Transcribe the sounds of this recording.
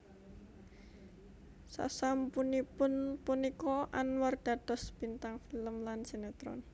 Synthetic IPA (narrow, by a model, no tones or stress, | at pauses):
sa̰sampunipʊnpunikɔʔa̰nward̪̥ad̪̥ɔ̤sb̥int̪aŋfiləmlansenet̪ɾɔ̰n